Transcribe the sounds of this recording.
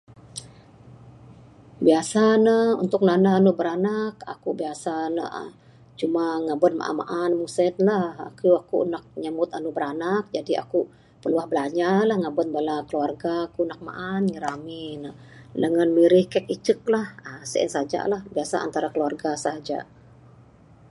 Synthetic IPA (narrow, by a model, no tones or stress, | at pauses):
biasanəṵnt̪ʊk̚nanaɦanubəɾanaka̰kubiasanə̰ | t͡ʃumaŋabən̚ma̰ʔa̰ma̰ʔanmusɛt̪̚laha̰kuakṵnak̚ɲamʊt̪anubəɾanak̚d͡ʒadia̰ku | pərluahbəlaɲalahŋabət̪balakəluarɡaːkunak̚ma̰ʔanŋəɾaminə | dəŋanmiɾɪhkɛkit͡ʃək̚lahəsə̰ʔə̰nsad͡ʒa̰lahbiasa̰ʔa̰nt̪aɾakəluarɡasaɦad͡ʒa̰